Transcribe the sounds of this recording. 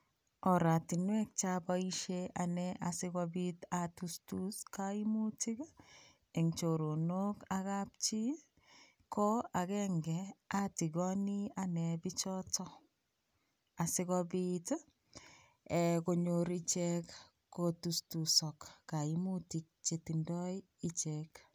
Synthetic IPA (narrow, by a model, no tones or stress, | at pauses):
ɔɾatinwɛk̚t͡ʃabaiʃeʔanɛʔasɪkɔbitatustuskaimutik | ɛŋt͡ʃoɾonokakap̚t͡ʃi | kɔakɛŋɡɛatiɡɔnianɛbit͡ʃɔtɔ | asɪkɔbit | ɛkoɲoɾit͡ʃɛk | kotustusɔkːaimutik̚t͡ʃetindɔj | it͡ʃɛk